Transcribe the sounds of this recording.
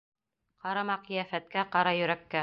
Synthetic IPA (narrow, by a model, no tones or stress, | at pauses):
qɑɾɑmɑqɤ̆jæfæt̪̚kæqɑɾɑjɵ̆ɾækːæ